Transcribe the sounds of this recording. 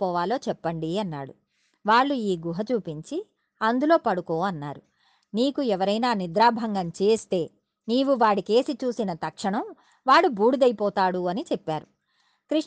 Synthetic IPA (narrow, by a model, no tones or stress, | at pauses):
pɔːʋaːlo̞ːt͡ʃɛpːɐɳɖiɐnːa̰ːɽu | ʋaːɭːuiːɡuɦɐt͡ʃuːpiɲt͡ʃi | ɐnd̪ulo̞ːpɐɽuko̞ːɐnːa̰ːɾu | niːkuɛʋɐɾɐjnaːnid̪ɾaːbʱɐŋɡɐmt͡ʃe̞ːst̪e̞ː | niːʋuʋaːɽike̞ːsit͡ʃuːsinɐt̪ɐkʂɐɳɐm | ʋaːɽubuːɽud̪ɐjipɔːt̪aːɽuɐnit͡ʃɛpːaːɾu | kɾiʂ